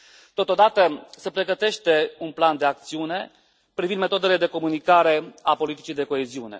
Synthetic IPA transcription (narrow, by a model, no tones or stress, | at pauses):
t̪o̞t̪o̞d̪at̪əse̞pɾe̞ɡət̪e̞ʃt̪e̞unpland̪e̞ak̚t̪siune̞ | pɾivind̪me̞t̪od̪ele̞d̪e̞ko̞munikaɾe̞apo̞lit̪i̥t͡ʃijd̪e̞ko̞e̞ziune̞̰